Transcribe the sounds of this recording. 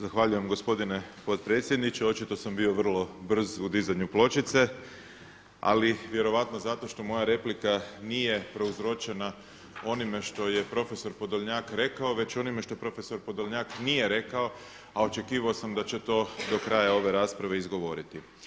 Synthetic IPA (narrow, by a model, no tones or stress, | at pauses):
zaxʋaʎuje̞mɡo̞spo̞d̪ine̞po̞t̪̚pɾe̞t̪sʲjed̪nit͡ʃeo̞t͡ʃit̪o̞sambio̞ʋr̩lˠo̞br̩zud̪izaɲuplˠo̞t͡ʃit̪se̞ | a̰liʋje̞ɾo̞ʋat̪nozat̪o̞ʃt̪o̞mo̞jaɾe̞plikanije̞pɾo̞uzɾo̞t͡ʃe̞na | o̞nime̞ʃt̪o̞je̞pɾo̞fe̞so̞ɾpo̞d̪oʎɲaːkɾe̞kao̞ʋe̞t͡ɕo̞nimeʃt̪o̞pɾo̞fe̞so̞ɾpo̞d̪olɲaːknije̞ɾe̞kao̞ | ao̞t͡ʃe̞kiːʋao̞samd̪at͡ɕe̞t̪o̞ːd̪o̞kɾajao̞ʋe̞ɾaːspɾaʋe̞izɡo̞ʋo̞ɾit̪i